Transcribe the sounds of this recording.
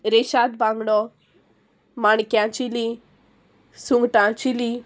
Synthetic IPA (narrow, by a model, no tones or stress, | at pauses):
ɾeʃad̪bãŋɡɽɔ | maɳkjãt͡ʃili | suŋɡʈãt͡ʃili